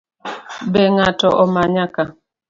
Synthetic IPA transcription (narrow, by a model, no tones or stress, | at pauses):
bɛŋatɔʔɔmaɲaka